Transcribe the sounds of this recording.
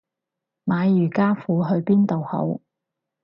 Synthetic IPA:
maː˨˧jjyː˨˩kaː˥fuː˨˧ɦɵ˧ɥpiː˥nt̪o˨who̰˨˥w

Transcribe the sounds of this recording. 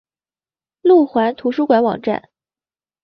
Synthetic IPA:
lu˥˩xwa˧˥nt̪ʰu˧˥ʂu˥kwa˧˥nwɑ̰˨˩ŋʈ͡ʂa̰˥˩n

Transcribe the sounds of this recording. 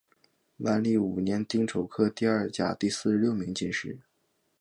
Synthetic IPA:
wa˥nli˥˩u˨˩njɛ˧˥nt̪i˥ŋʈ͡ʂʰo˨˩ʊkʰɤ˥t̪i˥˧ɐ˞˥˩t͡ɕja̰˨˩t̪i˥˧sɹ̩˥˧ljo˥˩ʊmi˧˥ŋt͡ɕi˥˧nʂɻ̩˥˩

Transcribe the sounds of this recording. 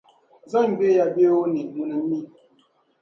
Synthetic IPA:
za˦m˨be˦ja˨be˦wo˦ni˨mu˨nə˨m˦i˦

